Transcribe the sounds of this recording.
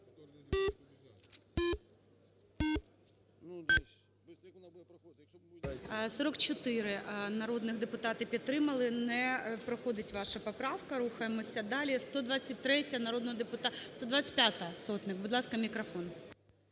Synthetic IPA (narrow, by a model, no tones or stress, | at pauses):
sɔɾɔkt͡ʃɔt̪ɪɾɪnɐɾɔd̪nɪxd̪epʊt̪ɑt̪ɪpʲidt̪t̪ːɾɪmɐlˠɪnɛpɾɔxɔd̪ɪtʲʋɑʃɐpɔpɾɑwkɐɾuxɐjemɔsʲɐd̪ɑlʲist̪ɔd̪ʋɑt͡sʲːɐt̚ʲt̪ɾɛtʲɐnɐɾɔd̪nɔɦɔd̪epʊt̪ɑst̪ɔd̪ʋat͡sʲɐ̥tʲpʲjat̪ɐsɔt̪nɪkbʊd̪lˠɑskɐmʲikɾɐfɔn